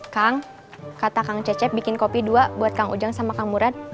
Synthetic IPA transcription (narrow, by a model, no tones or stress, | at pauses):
kaŋ | kat̪akaŋt͡ʃɛt͡ʃɛp̚bikɪnkopiduabuat̪̚kaŋṵd͡ʒaŋsamakaŋmuɾat̪̚